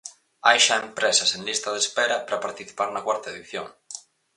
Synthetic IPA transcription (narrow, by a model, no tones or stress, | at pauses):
ajʃaempɾesaseŋlist̪aðespeɾɐpɾapaɾt̪iθi̥paɾnakwaɾt̪aeðiθjoŋ